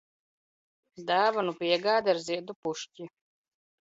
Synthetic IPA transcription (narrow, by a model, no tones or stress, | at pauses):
d̪aːvanupiɛɡaːd̪aɾziɛd̪upuʃcʲi